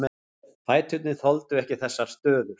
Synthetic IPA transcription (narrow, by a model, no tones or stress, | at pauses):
mɛ | fʰaːjt̪ʰʏt̪̚nɪθɔlt̪ʏɛhcɪθɛsːaɾ̥st̪œːðʏɾ̥